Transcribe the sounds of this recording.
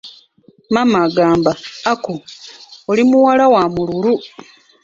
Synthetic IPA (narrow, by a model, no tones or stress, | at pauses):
mamaɡaːmbaːkoolimuwalawamululu